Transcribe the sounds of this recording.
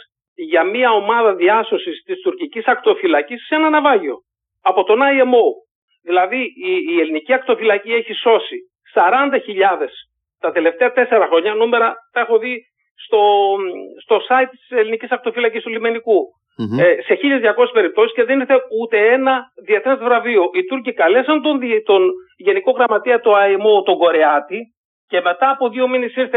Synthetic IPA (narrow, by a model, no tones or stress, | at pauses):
ʝɐmiɐo̞mɐðɐðiɐso̞sist̪ist̪uɾcicisɐkt̪o̞filɐcissenɐnɐvɐʝio̞ | ɐpo̞t̪o̞nɐjemo | ðilɐðiːe̞liniciɐk̚t̪o̞filɐcie̞çiso̞si | sɐɾɐnd̪ɐçiʎɐðe̞s | t̪ɐt̪e̞le̞ft̪eɐt̪e̞se̞ɾɐxɾo̞ɲɐnume̞ɾɐt̪ɐe̞xo̞ði | st̪o̞ | st̪o̞sɐit̪̚t̪i̥se̞linicisɐk̚t̪o̞filɐcist̪ulime̞niku | se̞çiʎɐzʝɐko̞sespe̞ɾip̚t̪o̞si̥sceðe̞niɾθe̞ut̪e̞enɐðiet̪ɾet̪vɾɐvio̞ʔit̪uɾcikɐle̞sɐnt̪ont̪onʝe̞niko̞ɣɾɐmɐt̪iɐt̪oɐimot̪o̞ɡo̞ɾe̞ɐt̪i | ce̞me̞t̪ɐːpo̞ðio̞minesiɾθe